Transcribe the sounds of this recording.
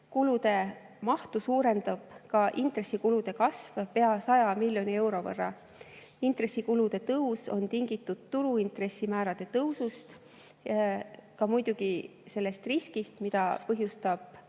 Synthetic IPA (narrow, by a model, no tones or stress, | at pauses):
kulud̪̥e̞ | mɑht̪usuːɾe̞nd̪̥ɑb̥kɑʔint̪re̞sːikulud̪̥e̞kɑsvpe̞ɑsɑjɑmilʲjo̞nie̞wɾo̞vɤ̰rːɑ̰ | int̪re̞sikulud̪̥e̞t̪ɤwso̞̰nt̪iŋɡit̪ːˑud̪̥̚t̪uɾuint̪re̞sːimæːɾɑd̪̥e̞t̪ɤwsust̪ | kɑmujd̪̥uɡ̥ise̞lːe̞st̪riskist̪mid̪̥ɑpɤɦjust̪ɑb̥̚